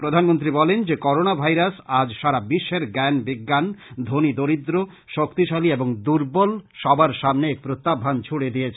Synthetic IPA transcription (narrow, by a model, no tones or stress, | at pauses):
pɾod̪ʱanmont̪̬ɾibɔlend͡ʑekɔɾonabʱajɾasad͡ʑʃaɾabiʃːeɾɡɛnbiɡːand̪ʱonid̪oɾid̪ɾo | ʃokt̪iʃalieboŋd̪uɾbolʃɔbaɾʃamneek̚pɾot̪ːabʱant͡ɕʰuɽed̪ijet͡ɕʰ